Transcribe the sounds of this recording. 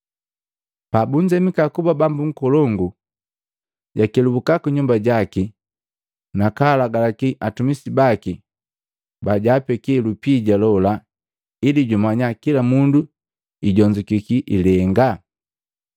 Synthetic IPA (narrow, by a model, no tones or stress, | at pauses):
pabuɲd͡ʒɛmikakubabambuŋ̩kɔlɔŋɡu | ɟakɛlubukakuɲumbaɟaki | nakalaɡalakiʔatumisibaki | baɟaːpɛkilupiɟalɔla | iliɟumaɲakilamundu | iɟɔɲd͡ʒukikiʔilɛŋɡa